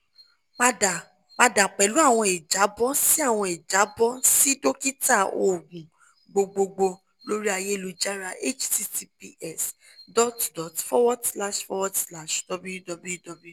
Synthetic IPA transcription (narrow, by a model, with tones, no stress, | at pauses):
k͡pa˦˨ | k͡pa˧da˨k͡pɛ˨lu˨˦a˦˨w̃ɔ̃˧i˨d͡ʒa˨˦bɔ˦si˦a˦˨w̃ɔ̃˧i˨d͡ʒa˨˦bɔ˦si˦do˦ki˦ta˦˨o˨ɡũ˨ | ɡ͡bo˨˧ɡ͡bo˧ɡ͡bo˧ | lo˦ɾi˦a˧je˦e˦˨lu˦d͡ʒa˦ɾa˧ʔe˦t͡ʃti˦ti˧˦pi˧ɛ˦˨s | dɔ˦tdɔ˨tfɔ˦wɔ˦dsla˦ʃfɔ˧wɔ˦dsla˦˨ʃd̥ɔ˧bu˦ju˦dɔ˧bu˦jdɔ˧b